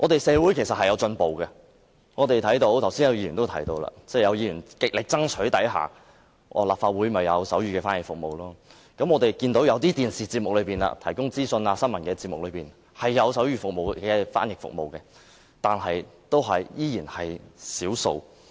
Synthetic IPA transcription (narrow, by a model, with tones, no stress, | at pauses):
ʔɔː˨˧t̪e˨jsɛː˨˧wuː˨˥jkʰe˨˩sɐ˨t̚hɐ˨jɐ˨˧wt͡ʃɵ˧npo˨wkɛ˧ | ŋɔː˨˧t̪e˨jt̪ʰɐ˨˥jt̪o˧˥wt̪ʰɐ˨˩wsiː˥njɐ˨˧wji˧ɥyː˨˩nt̪o˥wt̪ʰɐ˨˩jt̪o˧wla̰ː˧t͡sɛː˥˧˩jɐ˨˧wjiː˧ɥy˨˩nkɪ˨k̚lɪ˨k̚t͡sɐ˥ŋt͡sʰɵ˨˥ɥt̪ɐ˨˥jɦa̰ː˨ | ʔɔ̰ː˧˩laː˨˩pfaː˧t̚wuː˨˥jmɐ˨jɐ˨˧wsɐ˨˥wjyː˨kɛː˧faː˥njɪ˨k̚fʊ˨k̚mo˨wlɔː˥ | kɐ˨˥mɔː˧t̪e˨jkiː˧nt̪o˨˧˥wjɐ˨˧wt̪iː˥t̪iː˨nsiː˨t͡siː˧p̚mʊ˨k̚lɵ˨˧ɥpiː˨˩nla̰ː˧t̪ʰɐ˨˩jkʊ˥ŋt͡siː˥sɵ˧naː˧sɐ˥nmɐ˨˩nkɛː˧t͡siː˧p̚mʊ˨k̚lɵ˨˧ɥpiː˨˩n | hɐ˨˩jːɐ˨˧wsɐ˨˥wjyː˨fʊ˨k̚mo˨˩wkɛː˧fa̰ː˥njɪ˨kfʊ̰˨k̚mo̰˨wkɛ˧ | t̪aː˨nɦɐ˨jt̪o˥wɦɐ˨jjiː˥jiː˨˩nhɐ˨jsiː˨˥wso̰˧w